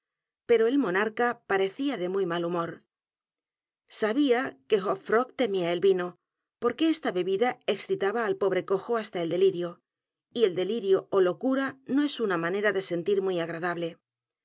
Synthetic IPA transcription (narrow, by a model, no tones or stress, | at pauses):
pe̞ɾo̞elmo̞naɾkapaɾe̞θiaðe̞mujmalumo̞ɾ | saβiake̞ɣopfɾo̞kt̪e̞miae̞lβino̞ | po̞ɾke̞est̪aβe̞βiðae̞ksθit̪aβaːlpo̞βɾe̞ko̞xo̞ast̪aeld̪e̞liɾjo̞ | ie̞ld̪e̞liɾjo̞olo̞kuɾano̞e̞sunamane̞ɾaðe̞se̞nt̪iɾmwijaɣ̞ɾaðaβle̞